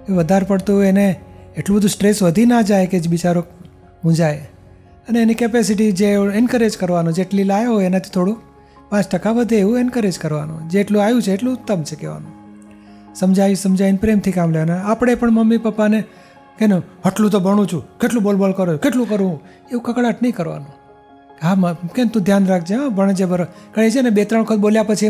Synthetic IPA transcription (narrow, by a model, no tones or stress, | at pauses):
eʋəd̪ʱaɾpəɽt̪uɦeneːʈlũbəd̪ʱusʈɾesʋəd̪ʱinad͡ʒajked͡ʒbit͡ʃaɾo | ɦũd͡ʒaj | əneːnikepesiʈ̬id͡ʒeenkəɾed͡ʒkəɾʋanũd͡ʒeːʈlilajɦojenat̪ʰi̥t̪ʰoɽũ | pãt͡ʃʈəkaʋəd̪ʱeːʋũenkəɾed͡ʒkəɾʋa̰nṵ̃d͡ʒeːʈlũajũt͡ʃʰeːʈlũt̪ːəmt͡ʃʰekeʋa̰nũ | səmd͡ʒaisəmd͡ʒainpɾemt̪ʰikamleanaapɽ̃epəɳməmːipəpːane | keneɦəʈlũt̪̬obʱəɽ̃ũt͡ʃʰukeʈlũbolbolkəɾoukeʈlũkəɾũũ | eũkəkɽaʈnəĩkəɾʋa̰nũ | ɦamkent̪ũd̪ʱjanɾakʰd͡ʒeɦãbəɳd͡ʒebəɾkəɭet͡ʃʰenebet̪ɾəɳəkʰət̪̚boljapət͡ʃʰi